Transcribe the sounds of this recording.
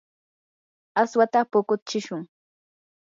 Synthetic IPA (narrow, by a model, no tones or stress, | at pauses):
aswat̪apʊkʊt͡ʃɪʃʊŋ